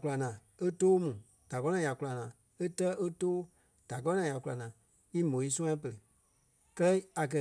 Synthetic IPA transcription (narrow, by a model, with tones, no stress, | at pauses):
ku˧la˨nãː˨e˦toː˦mũː˨ | d̥a˨kɔ˦nã˨ja˨ku˧la˨nãː˨ | e˦tɜ˦ʔe˦toː˦ | d̥a˨kɔ˦nã˨ja˨ku˧la˨nãː˨ | i˦mõ˨i˦sũ˦ã˦pə˨ɾə˨ | kɜ˦lɛ˦a˨k̬ɜ˧